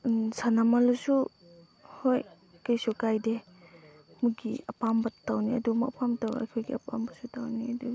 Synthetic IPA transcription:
sanamalusu | hoj | kajsukajde | muɡḭɐpambɐtawniɐ̰dumapʰamtawa̰kʰojɡiɐpa̰mbɐsutawniɐdu

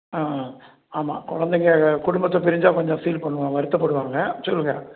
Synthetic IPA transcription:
aː | aːma̰ːkɔɻɐnd̪ɛŋɡɐkʊɽʊmbɐt̪ːõːpɪɾɪɲd͡ʒaːkɔɲd͡ʒɔ̃siːlpɐɳːɯʋãʋɐɾɯt̪ːɐpːɐɽɯʋaːŋɡɐsɔlːɯŋɐ

